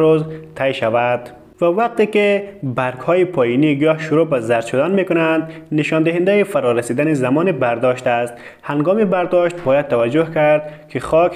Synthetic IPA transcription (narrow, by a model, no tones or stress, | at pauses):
ɾozt̪ʰajʃavad̪̥ | vavaq̚t̪ekebaɾkhɔjipʰɔiniɡɔʃuɾubazaɾʃud̪anmekʊnand̪niʃɔnd̪ɪɦend̪aifaɾɔɾasid̪anizamɔnibaɾd̪ɔʃt̪ast̪ | haŋɡɔmibæɾd̪ɔʃt̪̚bɔjad̪̚t̪ʰːavad͡ʒːʊhkaɾd̪kʰiχɔk